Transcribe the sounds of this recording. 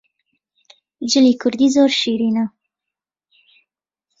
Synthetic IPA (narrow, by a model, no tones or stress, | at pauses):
d͡ʒəlikʊɾd̪izoɾʃiɾina